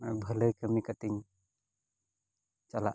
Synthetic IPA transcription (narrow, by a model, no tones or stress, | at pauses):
abʱələjkamikat̪iŋ | t͡ʃala̰